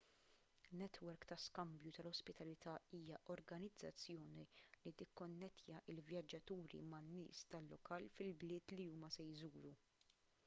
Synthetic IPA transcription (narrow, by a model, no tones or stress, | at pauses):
nɛt̪wɛɾkt̪ɐskɐmbjut̪ɐlɔspɪt̪ɐlɪt̪ʰɐiːjɐʔɔɾɡɐnɪd͡zːɐt͡sːjɔːnilit̪ɪkːɔnːɛt̪jɐʔɪlvjɐd͡ʒːɐt̪uːɾḭmɐnːɪ̰ːst̪ɐlːɔkɐːlfɪlblɪːt̪liuːmɐsɛjzuːɾu